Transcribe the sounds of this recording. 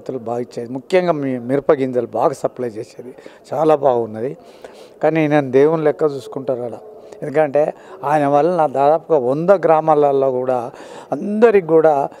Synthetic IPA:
t̪ɐlubaːɡit͡ʃːeːd̪imukjɐŋɡaːmimiɾpɐɡind͡ʒɐlubaːɡaːsɐplɐjt͡ʃeːseːd̪it͡ʃaːlaːbaːɡɐunːɐd̪i | kaːninɐnud̪eːwunlɛkːɐt͡ʃuːsu̥kuɳʈaːɾaːɽaend̪ukɐɳʈe̞ːaːjɐnɐʋɐlːɐnaːd̪aːd̪aːpuɡɐond̪ɐɡɾaːmaːlɐlːo̞ːkuːɽaːɐnd̪ɐɾiɡuːɽaː

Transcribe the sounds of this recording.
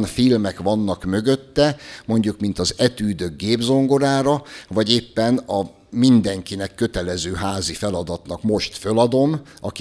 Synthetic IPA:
nfilmɛkʋɒnːɒkmø̞ɡøt̪ːɛmo̞ɲɟukmin̪t̪ɒzɛt̪yːd̪ø̞ɡ̚ɡeːbzo̞ŋɡo̞ɾaːɾɒvɒɟeːpːɛnɒ | mind̪ɛŋkinɛkːø̞t̪ɛlɛzøːɦaːzifɛlɒd̪ɒt̪nɒkmo̞ʃt̪følɒd̪o̞mʔɒk

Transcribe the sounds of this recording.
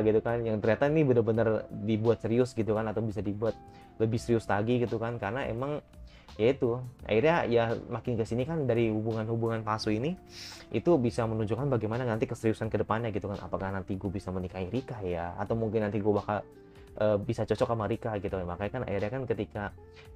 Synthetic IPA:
ɡit̪ukanjaŋt̪ərɲat̪ainibənəbənərdibuat̪̚səɾiʊsɡit̪ukanat̪awbisadibuat̪̚ | ləbɪhsəɾiʊslaɡiɡit̪ukankarənaḛmaŋ | jait̪uʔa̰iɾjajamakɪnkəsinikandaɾihubuŋanhubuŋanpasuini | ʔit̪ubisamənuɲd͡ʒukanbaɡajmananant̪ikəsəɾiusankədəpanɲaɡit̪ukanʔa̰pakahnant̪iɡubisamənikaiɾikajaa̰t̪awmuŋkɪnːant̪iɡubahka | ʔəːbisat͡ʃɔt͡ʃɔkamaɾikaɡit̪ukamakajkana̰iɾjakankət̪ika

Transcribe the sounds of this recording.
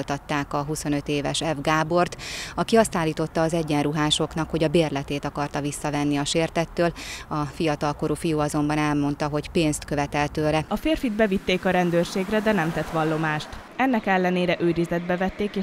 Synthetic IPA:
lt̪ɒt̪ːaːkɒɦuso̞nø̞t̪eːvɛ̰ʃɛvɡaːbo̞rt̪ɒkiɒst̪aːlːiːt̪o̞t̪ːɒːzɛɟːɛnruɦaːʃo̞knɒkho̞ɟɒbeːrlɛt̪eːt̪ɒkɒrt̪ɒvisːɒvɛnːiɒʃeːrt̪ɛt̪ːøːlɒfijɒt̪ɒlkoɾuːfijuːɒzo̞mbɒnɛlmo̞nt̪ɒɦo̞cpeːnst̪kø̞vɛt̪ɛlt̪øːlɛɒfeːrfid̪bɛvit̪ːeːkɒɾɛnd̪øːrʃeːɡrɛd̪ɛnɛmt̪ɛt̪ʋɒlːo̞maːʃt̪ | ɛnːɛkɛlːɛneːɾɛʔøːɾizɛd̪̚bɛvɛt̪ːeːkeː

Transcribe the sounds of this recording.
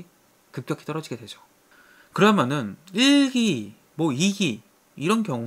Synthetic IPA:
kɯp̚k͈jʌkʰi̥t͈ʌɾʌd͡ʑiɡe̞dwe̞d͡ʑo̥ | kɯɾʌamjʌnɯniɭɡi | mʌiɡi | iɾʌnkjʌŋ

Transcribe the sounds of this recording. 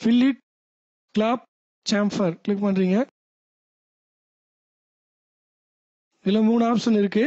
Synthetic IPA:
fɪlːɪʈ̚ | klaːp̚ | t͡ʃaːmfɐɾkɭɪkːpɐnɾiːŋɡɐ | ɪlːɐmuːnɯaːpsɐnɪɾɯkːɯ

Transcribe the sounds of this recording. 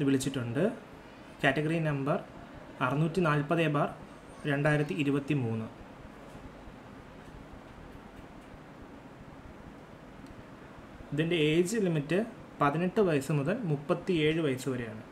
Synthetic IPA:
ʋiɭit͡ɕːiʈːuɳɖɨ | kʲaːtːɐɣɐrinɐmbɐr | ɐrɐnuːtːinaːlpɐðeːbaːr | ɾe̞ɳɖaːjiɾɐt̪̬ːiːɾubɐt̪ːimuːnːɨ | iðinde̞eːd͡ʑlimitːɨ | pɐðineʈːɨʋɐjɐsɨmuðɐlmupːɐt̪ːie̞ːɻɨʋɐjɐsuʋɐɾejaːɳɨ

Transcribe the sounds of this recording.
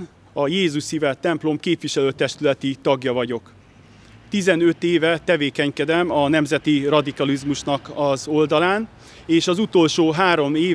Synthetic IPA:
ɒjeːzuʃsivɛt̪ɛmplo̞mkeːpʋiʃɛløːt̪ɛʃt̪ylɛt̪it̪ɒɡjɒvɒɟo̞k | t̪izɛnø̞t̪eːvɛt̪ɛveːkɛɲkɛd̪ɛmɒnɛmzɛt̪irɒd̪ikɒlizmuʃnɒkɒzo̞ld̪ɒlaːn | eːʃɒzut̪o̞lʃoːɦaːɾo̞meː

